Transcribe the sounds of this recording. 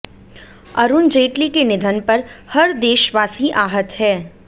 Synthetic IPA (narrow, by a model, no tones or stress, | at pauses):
ɐɾund͡ʒeːʈlikenɪd̪ʱənpɐɾhɐɾd̪eːʃʋaːsiʔaːɦət̪hɛː